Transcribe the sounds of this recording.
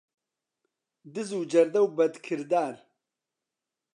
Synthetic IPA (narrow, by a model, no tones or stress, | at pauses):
d̪ɨzud͡ʒɐɾd̪ɐwbɐd̪kʰɨɾd̪aːɾ